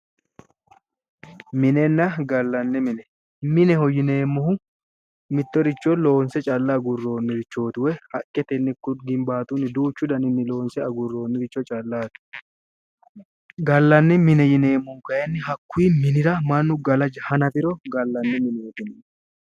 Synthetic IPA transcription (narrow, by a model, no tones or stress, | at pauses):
mɪnɛnːɐɡɐlːɐnːɛmɪnɛ | mɪnɛhɔjɪneːmːɔhʊ | mɪt̪ːɔɾɪt͡ʃːɔlo̞ːnsɛt͡ʃʼɐlːɐːɡʊrːo̞ːnːɪɾɪt͡ʃːo̞ːt̪ʊwɛhɐkʼːɛt̪ɛnːɪkːʊɡɪmbaːt̪ʊnːɪd̪uːt͡ʃːʊd̪ɐnɪnːɪlo̞ːnsɛɐɡʊrːoːnːɪɾɪt͡ʃːɔt͡ʃʼɐlːaːt̪ʊ̥ | ɡɐlːɐnːɪmɪnɛjɪneːmːɔhʊkɐjɛnːɪɦɐkːʊiːmɪnɪɾɐmɐnːʊɡɐlɐd͡ʒɐhɐnɐt̪ɪɾɔɡɐlːɐnːɪmɪnɛɛt̪ɪnɛ